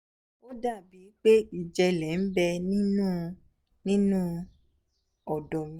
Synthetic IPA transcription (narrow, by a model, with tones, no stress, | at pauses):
o˦da˦˨bi˨˦k͡pe˦i˨d͡ʒɛ˧lɛ˨n̩˦bɛ˧nĩ˦nũ˦ | nĩ˦nũ˦ | ɔ˨dɔ˨mĩ˨˦